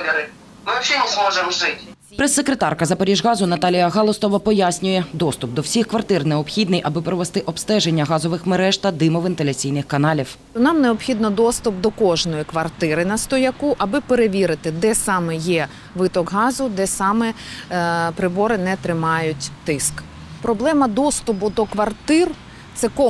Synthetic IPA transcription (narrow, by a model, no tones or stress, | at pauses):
ɾɪ | mɪt͡ʃʲɔmusmɔʒemʒɪtʲ | pɾɛsːekɾet̪ɑrkɐzɐpɔɾʲiʒɣɑzʊnɐt̪ɑlʲijɐɣɑlˠɔst̪ɔʋɐpɔjasʲnʲʊjɛd̪ɔst̪ʊp̚d̪ɔwsʲixkʋɐrt̪ɪrneɔpxʲid̪nɪjʔɐbɪpɾɔʋest̪ɪʔɔbst̪ɛʒenʲːɐɦɑzɔʋɪxmeɾɛʃt̪ɐd̪ɪmɔʋɪnt̪elʲɐt͡sʲijnɪxkɐnɑlʲiw | ʊnɑmneɔpxʲid̪nɔd̪ɔst̪ʊp̚d̪ɔkɔʒnɔjikʋɐrt̪ɪɾɪnɐst̪ɔjɐkuʔɐbɪpeɾeʋʲiɾɪt̪ɪd̪ɛsɑmɛjɛ | ʋɪt̪ɔɡɦɑzʊd̪ɛsɑmɛ | pɾɪbɔɾɪnɛt̪ɾɪmɑjʊtʲt̪ɪsk | pɾɔblˠɛmɐd̪ɔst̪ʊpʊd̪ɔkʋɐrt̪ɪr | t̪sɛkɔ